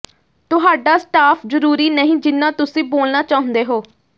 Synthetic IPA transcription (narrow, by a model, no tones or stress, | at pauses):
t̪ʊɦaːɖaːsʈaːpʰzəɾuːɾiːnəɦĩːd͡ʒɪnːãːt̪ʊsĩːboːlnaːt͡ʃaːɦʊ̃nd̪eːɦoː